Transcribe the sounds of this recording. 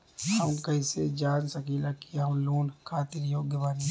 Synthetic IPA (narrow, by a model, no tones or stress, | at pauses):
həmkɐĩsed͡ʒaːnsɐkilakiəmloːnkʰaːt̪ɪɾjoːɡjəbaːni